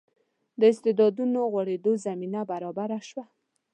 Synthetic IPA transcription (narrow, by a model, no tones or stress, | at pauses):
d̪əɪst̪ɪd̪ɑd̪unoɣwaɽed̪ozaminabaɾɑbaɾaʃwa